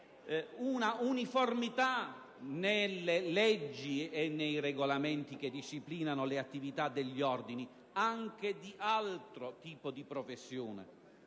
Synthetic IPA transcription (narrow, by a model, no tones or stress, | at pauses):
unauniformit̪a | nelːelɛd͡ʒːienːejreɡolamɛnt̪ik̟ed̪iʃːipliːnanoleat̪ːivit̪ad̪ːeʎːiɔrd̪ini | aŋk̟ed̪iʔalt̪ɾot̪iːpod̪ipɾofesːjoːnḛ